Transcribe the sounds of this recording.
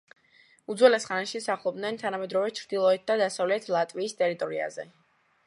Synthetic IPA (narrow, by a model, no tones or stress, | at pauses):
ud̪zwɛlɛsχanaʃisaχlˠɔb̚d̪nɛnt̪ʰanamɛd̪ɾɔvɛt͡ʃʰɾd̪ilˠɔɛt̪̚ʰd̪ad̪asavlɛt̪ʰlˠat̪ʼviːst̪ʼɛɾit̪ʼɔɾia̰zɛ̰